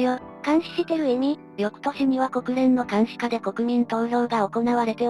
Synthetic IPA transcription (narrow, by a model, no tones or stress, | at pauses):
jokãɰ̃ɕi̥ɕit̪e̞ɾɯ̟eɲ̟i | ɾʲjo̞kɯ̟̥t̪o̞ɕiɲ̟iβako̞kɯ̟ɾẽnːo̞kãɰ̃ɕi̥kad̪e̞ko̞kɯ̟ɲ̟ĩnt̪o̞ːɾo̞ːɡao̞ko̞naβaɾe̞t̪e̞